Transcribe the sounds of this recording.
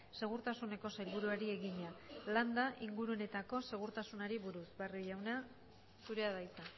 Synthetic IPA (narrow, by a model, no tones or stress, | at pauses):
se̞ɣ̞uɾt̪asune̞ko̞sajlβuɾuaɾie̞ɣiɲaland̪aʔiŋɡuɾu̞ne̞t̪ako̞se̞ɣ̞uɾt̪asunaɾiβuɾusbariʝawna | suɾe̞aðajt͡sa